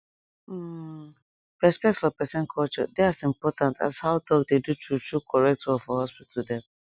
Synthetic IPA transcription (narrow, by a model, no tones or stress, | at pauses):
pɛspɛk̚tfɔpɛsɛ̃nkʰɔlt͡ʃɔ̰deasĩmpɔtãnta̰zhaʊdɔɡ̚dedutɹutɹukʰɔɹɛk̚tɔfɔhɔspitʰldɛ̃m